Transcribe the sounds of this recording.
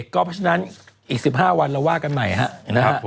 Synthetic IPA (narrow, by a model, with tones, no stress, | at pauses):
kːɔː˥˩pʰɾɔ˥t͡ɕʰa˧na˦˥n | ʔiː˨˩k̚si˨˩p̚ɦaː˥˩wa˧nɾa˧waː˥˩ka˧nma˨˩jɦa̰˦˥ʔna˦˥a˦